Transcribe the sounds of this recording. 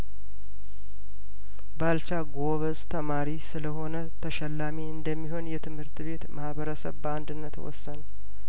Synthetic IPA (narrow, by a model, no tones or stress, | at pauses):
balt͡ʃaɡoβəst̪ʰəmaɾisɨləho̞nət̪ʰəʃɛlːamiɨnd̪əmːiɦo̞njɛt̪ʰɨmhɨɾt̪βe̞t̪mahβəɾəsə̰βbəand̪ɨnːət̪wɔ̰sːən